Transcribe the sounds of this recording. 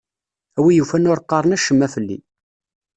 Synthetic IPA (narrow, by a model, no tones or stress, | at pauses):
æwijufænʊɾˤqːɑɾˤənæʃəmːæfəlːḭ